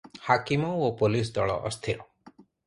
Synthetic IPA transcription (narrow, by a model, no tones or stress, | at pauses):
hakimɔopolis̬d̪ɔɭɔ̰ʔɔ̰st̪ʰiɾɔ